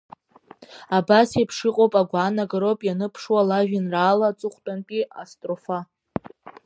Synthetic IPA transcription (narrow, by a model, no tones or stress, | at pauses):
abasepʰʂɨqʼowpʼaɡʷaːnaɡaɾowpʼjanɨpʰʂwalaʒᶣɪnraːlat͡sʼɨχʷtʼanpʼia̰stʼrofa